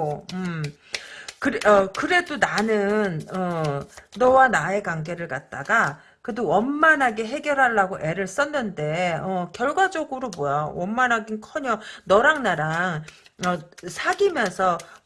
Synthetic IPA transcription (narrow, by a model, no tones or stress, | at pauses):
oɯm | kɯɾʌkɯɾe̞donanɯnʌː | ʌwanae̞kaŋɡe̞ɾɯɭkat̚t͈aɡa | kɯdowʌmmanɦaɡe̞ɦe̞ɡjʌɾɦaɭːaɡoʔe̞ɾɯɭs͈ʌnːɯnde̞ʌkjʌɭɡwad͡ʑʌɡɯɾobojawʌmmanɦaɡinkʰʌɲʌnʌɾaŋnaɾaŋʌsʰaɡimjʌnsʰʌ